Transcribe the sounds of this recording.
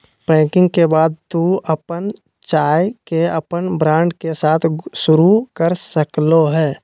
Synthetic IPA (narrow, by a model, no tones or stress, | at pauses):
pɛ̃ːkɪ̃ŋɡkebaːd̪̚t̪uəpən | t͡ʃaːjkeəpənbɾãːɳɖkesaːt̪ʰʃʊɾukəɾsəkloɦɛː